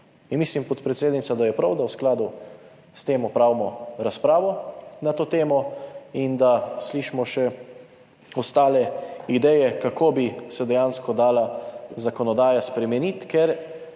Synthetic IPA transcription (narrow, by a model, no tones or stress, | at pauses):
inmislimpɔt̪pɾɛt̪seːd̪nit̪sad̪ajɛpɾawd̪awsklaːd̪u | st̪eːmɔpɾawmɔɾaspɾaːʋɔnat̪oːt̪eːmɔind̪asliʃmɔʃɛ | ɔst̪aːlɛid̪ɛjɛkakoːbisɛd̪ɛjaːnskɔd̪aːlazakɔnɔd̪aːjaspɾɛmɛnit̪kɛɾ